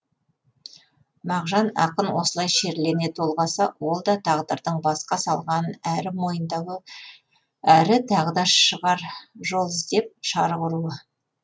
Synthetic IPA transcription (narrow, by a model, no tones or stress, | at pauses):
mɑʁʒɑnɑ̰qənwo̞səlˠɑjʃe̞ɾlene̞t̪ʰo̞lˠʁɑsɑwo̞lˠd̪ɑt̪ʰɑʁd̪əɾd̪əɴbɑsqɑsɑlˠʁɑnəæɾɪmo̞jənd̪ɑwə | æɾɪt̪ʰɑʁəd̪ɑʃəʁɑɾʒo̞lˠɪzd̪e̞p̚ʃɑɾʁʊɾuə